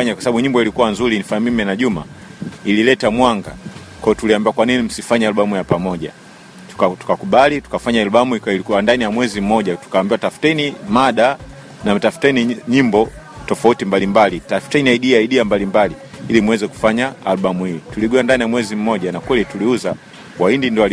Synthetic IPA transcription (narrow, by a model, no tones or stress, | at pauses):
aɲakwasaɓaɓuɲimbɔilikuwanzuɾinifamimɛnaʄuma̰ | ililɛtamwaŋɡa̰ | kwɔjɔtuliambiwakwaninim̩sifaɲɛaluɓamujapamɔʄa̰̥ | atu̥kakuɓalitu̥kafaɲaaluɓamukilikuandanijamwɛzim̩mɔʄatu̥kaːmbiwatafu̥tɛnimaɗa | nam̩tafu̥tɛniɲimbɔ | tɔfautimbalimbalitafu̥tɛniaiɗiaiɗiambalimbali | ilimuwɛzɛku̥faɲaaluɓamuituliɡuandanijamwɛzim̩ːɔʄanakwɛlituliuza | kwaindindɔa